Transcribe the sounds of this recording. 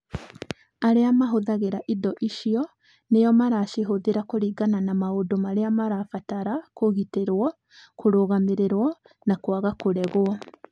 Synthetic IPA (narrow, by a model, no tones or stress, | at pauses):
aɾeamaɦoðaɣeɾaʔidɔʔiʃiɔ | nejɔmaɾaʃeɦoðeɾakoɾiːɡananamaodomaɾeamaɾafataɾakoɣiteɾwɔ | koɾoɣameɾeɾwɔ | nakwaɣakoɾɛɣwɔ